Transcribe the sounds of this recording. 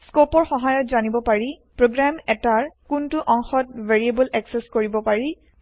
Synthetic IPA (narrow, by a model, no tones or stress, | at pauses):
skopɔɹxɔɦajɔtzanibɔpaɹipɹoɡɹamɛtaɹkʊntʊʔɔŋxɔt̚veɹiebulɛkseskoɹibɔpaɹi